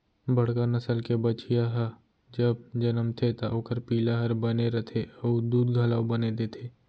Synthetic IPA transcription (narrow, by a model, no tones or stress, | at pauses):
bɐɽ̤kanɐsəlkebət͡ʃijaɦə | d͡ʒəbd͡ʒɐnəmt̪ʰet̪aʔoːkəɾpiːlaɦɐɾbɐneɾɐt̪ʰeəud̪uːd̪ɡʱɐlaːwbɐned̪et̪ʰeː